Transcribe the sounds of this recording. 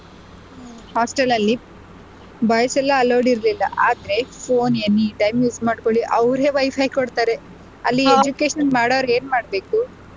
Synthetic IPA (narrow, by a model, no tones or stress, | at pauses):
haːsʈelɐlːi | bɐjɐsɛlːɐːlɐwɖiɾlilːɐ̰ʔaːd̪ɐɾe̞pʰoːnenːiɖɐjmjuːd͡ʒmaːɖkoɭiʔɐʋɾe̞ːʋɐjpʰɐjkoɽt̪aːɾe | ɐlːied͡ʒukeːʂɐnmaːɽɐʋɾe̞ːnmaːɽbeːku